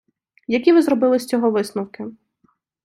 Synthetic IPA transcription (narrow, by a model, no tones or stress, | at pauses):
jɐkʲiʋɪzɾɔbɪlˠɪsʲt͡sʲɔɦɔʋɪsnʊwkɪ